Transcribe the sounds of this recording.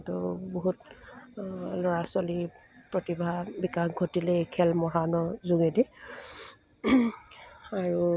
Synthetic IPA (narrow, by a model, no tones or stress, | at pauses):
tʊboɦut | lɔɹaswali | pɹotibʱabikaxɡʱotilɛekʰɛlmɔɦanɔzuŋedi | aɹu